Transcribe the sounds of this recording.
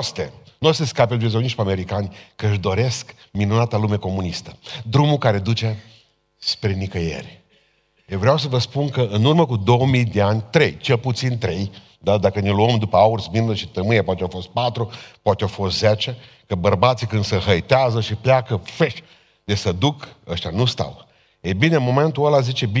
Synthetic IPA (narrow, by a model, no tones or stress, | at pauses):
st̪ḛnuost̪eskaped̪viz̬oniʃpeameɾikanʲkəɨʃd̪o̞ɾe̞sk | minunat̪alume̞ko̞munist̪ə̥d̪ɾumukaɾe̞d̪ut͡ʃa | spɾe̞nikəjḛrʲ | jevɾeaws̬əvəspunkəʔɨnurməkud̪o̞wəmijd̪eanʲt̪ɾe̞jt͡ʃe̞lput̪sint̪ɾe̞j | d̪ad̪akəneluəmd̪upəaursminləʃit̪əmɨjepat̪eafost̪̚pat̪ɾupat̪ʲeawfost̪zet͡ʃe | kəbərbat̪sikɨnd̪səɦəjt̪eazəʃipleakəfeʃ | d̪esəd̪ukəʃt̪anust̪a̰w | ejbineɨmo̞me̞nt̪uəlazit͡ʃe̞bi